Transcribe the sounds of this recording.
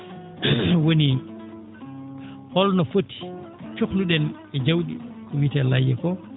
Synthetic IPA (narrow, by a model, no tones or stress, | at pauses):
woni | hɔlnɔfotʰːi̥ | t͡ʃokluɗɛn | ɛd͡ʒawɗḭkɔwitɛlajːɛkɔ